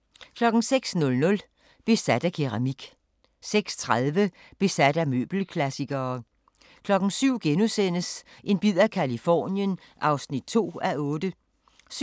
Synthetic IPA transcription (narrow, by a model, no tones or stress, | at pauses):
kʰlɒ̽ɡ̥n̩seɡ̥snɔ̽lnɔ̽l | b̥e̝sæd̥ækʰiʁɑmiɡ̥ | seɡ̥st͡sʰʁaðˠʋə | b̥e̝sæd̥æmø̰ːb̥l̩kʰlæsiɡ̥ɐː | kʰlɒ̽ɡ̥n̩syʊ̰ɡ̥enusen̰əsʔe̝nb̥ið̰ˠækʰælifɒ̰ːnjən | ʔɑ̈ʊsnid̥̚t͡sʰo̝̰ːæɔ̽ːd̥ə | s